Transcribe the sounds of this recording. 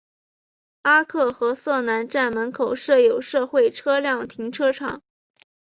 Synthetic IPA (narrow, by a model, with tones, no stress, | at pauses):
a˥kʰɤ˥˩xɤ˧˥sɤ˥˩na˧˥nʈ͡ʂa˥˩nmə˧˥nkʰo˨˩ʊʂɤ˥˩jo˨˩ʊʂɤ˥˧xwe˥˩ɪʈ͡ʂʰɤ˥ljɑ˥˩ŋt̪ʰi˧˥ŋʈ͡ʂʰɤ˥ʈ͡ʂʰɑ˨˩˦ŋ